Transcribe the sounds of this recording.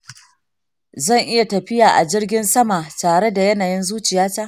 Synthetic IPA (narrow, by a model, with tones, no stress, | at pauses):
zɐ˦˨ŋʔɪ˦ja˨tɐ˨ɸɪ˦jaː˨ʔa˨d͡ʒɪ˦rɡʲɪ˦nsɐ˦ma˨taː˨ɽe˦da˨jɐ˦naː˨jɪ˦nzuː˦t͡ʃɪ˨jaː˦taː˦